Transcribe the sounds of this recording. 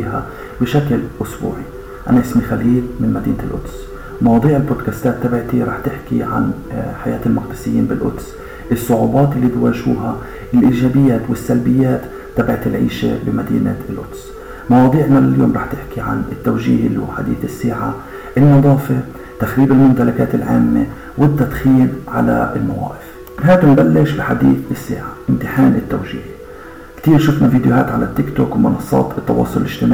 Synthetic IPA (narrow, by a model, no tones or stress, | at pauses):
ha | bɪʃaklʔʊsbṵːʕi | ʔanaʔɪsmixaliːlmɪnmad̪iːnɪlʔʊ̰d̪s | mɑwɑːd̪ˤiːʕɪlboːd̪kast̪aːt̪ːabɪʕt̪iɾˤɑːħt̪ɪħkiʕa̰nħajaːt̪ɪlmaq̚d̪ɪsɪjːiːnbɪlʔʊ̰d̪s | ʔɨsˤːʊʕubɑːt̪ʔɪlːiːbwaːʒhṵːɦa | ʔɪlʔiːʒaːbɪjːaːt̪wɪsːalbɪjːaːt̪ːabɪʕt̪ɪlʕḭːʃḛbɪmad̪ḭːna̰ɪlʔʊ̰d̪s | mɑwɑːd̪ˤiːʕnalaljoːmɾˤɑːħt̪ɪħkiʕa̰nɪt̪ːawʒḭːhɪlħa̰d̪ḭːθɪsːeːʕa | ʔɪlnɨd̪ˤɑːfe | t̪axɾiːbɪlmʊmt̪alakaːt̪ɪlʕaːmːḛ | wɪt̪ːad̪xiːnʕa̰la̰ɪ̰lma̰wa̰ːʔɪf | ɦaːt̪ʊmbalːɪʃbɪħad̪iːθɪsːḛːʕaʔɪmt̪ɪħaːnɪt̪ːawʒiːh | kt̪iːɾʃʊfnaviːd̪jʊɦaːt̪ʕalat̪ːɪkt̪oːkwmʊnɑsˤːɑ̰ːt̪ɨt̪ːɑwɑ̰ːsˤʊlɪlʔɪʒt̪ɪmaːʕ